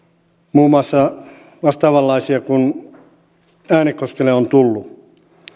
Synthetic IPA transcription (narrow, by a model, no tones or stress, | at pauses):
muːmˑɑsːɑ | ʋɑst̪ɑːʋɑlːɑisiɑkun | æːnikːoskeleont̪ulːu